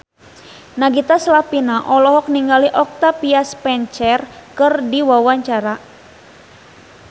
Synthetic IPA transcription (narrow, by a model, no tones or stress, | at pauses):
naɡit̪aslapinaʔɔlɔɦɔk̚niŋɡaliʔɔk̚t̪apiaspɛɲt͡ʃɛrkɨrdiwawaɲt͡ʃaɾa